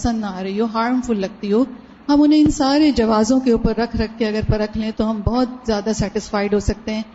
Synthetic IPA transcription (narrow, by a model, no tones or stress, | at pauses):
sə̃nd̪naaːɾɐɦiɦoɦaːɾmfʊlːɐɡ̚t̪iɦoː | ɦɐmʊnɦẽɪnsaːɾed͡ʒɐʋaːzõkeuːpəɾːɐkʰɾɐkʰːeɐɡəɾpɐɾɐkʰlẽt̪oɦɐmbɔɦʊt̪̚zjaːd̪asɛːʈɪsfaːɪɖɦosɐk̚t̪eɦɛ̃ː